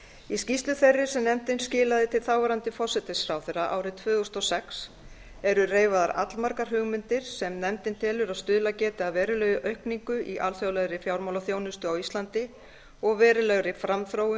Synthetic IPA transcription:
iscist̪lʏθɛrːɪsɛmnɛmt̪ɪnscɪːlaðɪt̪ʰɪlθaːwvɛɾant̪ɪfɔsɛt̪ɪsɾawθeraʔa̰ːwɾɪt̪ʰvœːɣʏst̪ɔsɛks | ɛɾʏreːjvaðaɾʔa̰t̪lmaɾkaɾ̥ɦʏɣmɪnt̪ɪɾ̥sɛmnɛmt̪ɪnt̪ʰɪlʏɾaðst̪ʏðlacɛːt̪ɪaðvɛːɾʏlœːjɣʏʔœɥhkniŋkʏʔiʔalθjawlɛɣɾɪfjawɾmawlaθjoːwnʏst̪ʏawist̪lant̪ɪ | ɔɣvɛːɾʏlɛɣɾɪfɾamθɾowʏ

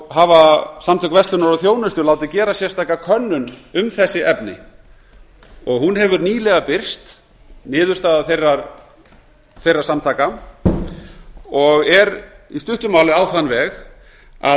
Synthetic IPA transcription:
ɦavasamt̪ʰœkvɛst̪ʏnaɾɔθjoːwnʏst̪ʏlaːwt̪ɪcɛːɾasjɛɾ̥st̪ajkːakʰœnːʏnʏmθɛsːɪʔɛpnɪ̰ | ɔɣhunɦɛvʏɾniːlɛɣapɪr̥st̪ | nɪːðʏ̥st̪aːðaθejrːaɾ | θejrːḁsamt̪ʰaːka | ɔɣɛɾist̪ʏht̪ʏmaːwlɪaːwθanːvɛːx | a̰

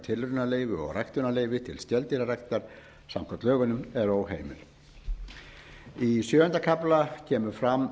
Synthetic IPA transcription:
t̪ʰɪlrʏnaleːjvɪɔ̰ɣrajkt̪ʏnaleːjvɪt̪ʰɪlst̪jɛlt̪ilarakt̪aɾ̥ | sam̥kʰɔt̪lœːɣʏnʏmɛɾowɦeːjmɪ̰l | isjœːʏnt̪akʰaplacʰɛːmʏɾ̥fɾamː

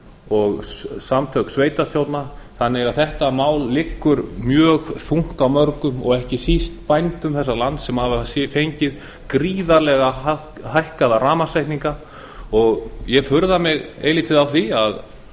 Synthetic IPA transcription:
ɔɣsamt̪ʰœksveːjt̪ast̪jowt̪naθanːɪɣaðθɛht̪amaːwlːɪkːʏɾmjœːɣθuŋ̥kawmœɾkʏmɔ̰ɣɛhcɪsist̪pajnt̪ʏmθɛsːalant̪sɛmhavasjɛfejɲcɪð | kɾiːðaɾlɛɣa | hajhkaðaraːmasajht̪niŋka | ɔɣjɛfʏɾðamɪɣḛːjliːt̪ʰɪðawθiað

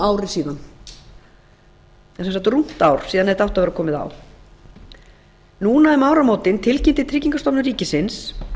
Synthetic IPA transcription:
aːwɾɪsiːðan | θɛsɛmsawht̪ʏrum̥t̪awɾ̥siːðanɛðt̪awht̪avɛɾakʰɔːmɪða̰w | nuːnaɛmaːwɾamoːwt̪ɪnt̪ʰɪlcɪnt̪ɪt̪ʰɾɪːciŋkast̪ɔwpnʏriːcɪsɪns

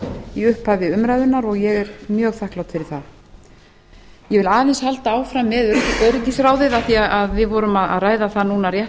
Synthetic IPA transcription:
iʏhpːavɪʏmɾajðʏnːaɾɔɣjɛɣɛɾmjœːɣθahklawt̪fɪɾɪɾ̥θað | jɛvɪlaːðɛnshalt̪aaːwfɾamːɛðœcɪkœɾɪcɪsɾaːwðɪðaθiaaðvɪðvɔɾʏmaða̰ðraːjðaθanuːnarjɛ

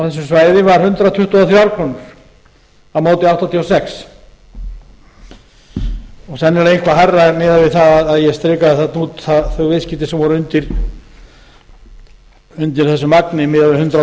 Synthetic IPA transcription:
awθɛsːʏsvaːjðɪvaɾ̥hʏnt̪ɾawt̪ʰʏht̪uaθjawɾkʰɔnʏɾ̥ | awmaːwt̪ɪawht̪ant̪ʰiɔsɛks | ɔɣθɛnːɛɾejn̥kʰvaɦarːamɪːðavɪðθaðaðaðjɛst̪ɾɪːkaðθat̪nuːt̪θaðθœɥɣvejscɪt̪ɪsɛmvɔɾʏnt̪ɪɾ | ʏnt̪ɪ̥θɛsːʏmaknɪmɪːðavɪhʏnt̪ɾa

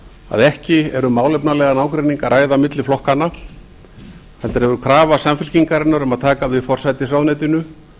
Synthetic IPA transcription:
a̰ðɛhcɪɛɾʏmːaːwlɛpnalɛɣanaːwkɾeniŋkaɾʔaːjðamɪt̪lɪflɔhkanːa | θɛt̪ːaɾ̥hɛvʏɾʏkʰɾaːvasamfɪl̥ciŋkaɾɪnːaɾɛmaðt̪ʰaːkavɪfɔr̥sajt̪ɪsawðnɛjt̪ɪnʏ

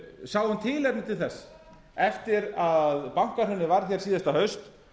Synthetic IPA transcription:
sawðhunt̪ʰɪːlɛɾt̪nɪt̪ʰɪlθɛsː | ɛft̪ɪɾaðpawŋ̥kar̥hœnɪvaɾ̥θçɛɾ̥siːðɛst̪ahœɥst̪

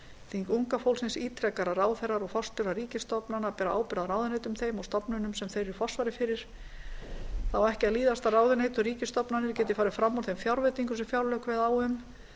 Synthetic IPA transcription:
θiŋkuŋkafowlsɪnsiːt̪ʰɾɛkaɾaɾaːwθɛɾaɾɔɣfɔst̪ʏɾariːcɪst̪ɔpnanapɛːɾaaːwpɪɾaðaɾaːwðɪneːjt̪ʏmθejmawst̪ɔpnʏnʏmsɛmθejɾɪfɔ̥svaɾɪfɪɾɪɾ̥ | θawɛhcɪaðliːðast̪araːwðɪnejt̪ʏriːcɪst̪ɔpnanɪɾ̥cɛːt̪̬ɪfaːɾɪfɾamːawɾθejmfjawɾvɛt̪iŋkʏsɛmfjawɾlœkvɪðawʏm

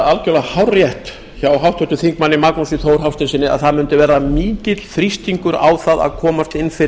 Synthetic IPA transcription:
alcœlahawrjɛht̪ | çawawɦawht̪ʰɔht̪ʏθiŋkmanːɪmaknusiθowɾ̥hawst̪ɪnsɪːnɪa̰ðθaðmʏnt̪ʏvɛɾamiːcɪt̪l̥fɾist̪iŋkʏɾa̰wθaða̰ðkʰɔːmast̪ɪnːfɪ

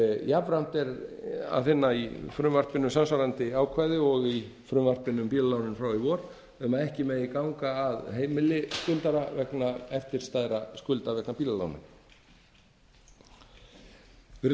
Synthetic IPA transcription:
javɾan̥t̪ɛɾa̰ðfɪnːaifɾʏmvar̥pɪnʏmsansvawɾant̪ɪaːwkʰvajðɪɔɣi | fɾʏmvar̥pɪnʏmpiːlalawnɪnfɾawɪvɔːɾ | ɛmaðɛhcɪmɛðikawŋkaːðɦeːjmɪlɪskʏlt̪aɾavɛknaɛft̪ɪɾ̥st̪aːjðɾaskʏlt̪avɛknapiːlala̰wnɪ̰m | ɪɾ

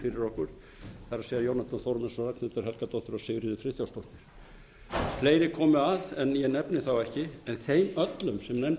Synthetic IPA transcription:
fɪɾɪɾɔhkʏɾ̥ | θaɾaseːjajoːwnat̪anθɔɾmɛnsɔrak̚nʏt̪aɾ̥ɦɛlkat̪owt̪ːʏɾɔsɪɣɾɪðɪfɾɪθjawst̪owht̪nɪɾ̥ | pʰleːjnɪkʰɔːmʏaðɛnjɛnɛpnɪθawɛhcɪɛnθejmœt̪lʏmsɛmnɛm

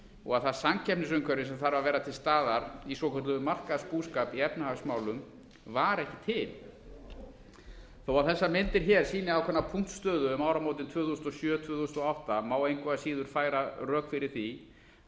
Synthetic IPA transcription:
ɔ̰ɣaðθasamcʰɛpnɪsʏŋkʰvœɾɪsɛmθaɾvaɾvɛːɾat̪ʰɪlst̪aːðaɾisɔkʰœt̪lʏmar̥kaðspuskapiɛpnahaɣsmaːwlʏm | vaɾɛhcɪ̥t̪ʰɪl | θowaθɛsːamɪnt̪ɪɾ̥çɛɾ̥siːnɪawkʰvɛnapʰuŋ̥t̪st̪œːðʏmawɾamowt̪ɪnt̪ʰvʏːθusnt̪ɔsjœːt̪ʰv̥ʏːθusnt̪ɔawht̪amaːwejŋkvaðasiːðʏɾ̥faːjɾarœːkfɪɾɪɾ̥θi

